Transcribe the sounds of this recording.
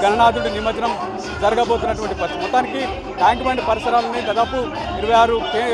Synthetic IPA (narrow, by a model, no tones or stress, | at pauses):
ɡɐnɐɳaːd̪uuɽinimɐt͡ʃɐnɐm | d͡ʒɐɾɐɡɐbo̞ːt̪unːɐʈuʋɐɳʈipɐt̪mɔt̪ːaːniki | ʈʰaːŋkmɐɳɖpɐɾisɐɾaːlɐnid̪aːd̪aːpu | iɾuʋɐjaːɾuke